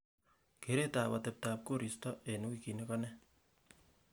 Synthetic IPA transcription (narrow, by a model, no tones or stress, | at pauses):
keɾetaβatep̚tap̚koɾistɔʔenukikinekɔne